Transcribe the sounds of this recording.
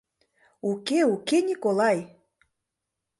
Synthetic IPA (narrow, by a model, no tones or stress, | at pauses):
ukeukenʲikolɑj